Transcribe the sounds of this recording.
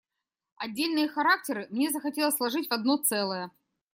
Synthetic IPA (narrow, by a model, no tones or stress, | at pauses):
ɐdʲːelʲnɨjəxɐɾak̚tʲɪɾɨmnʲezəxɐtʲe̞lˠəsʲlˠɐʐɨtʲvɐd̪̚no̞t̪sɛlˠəjə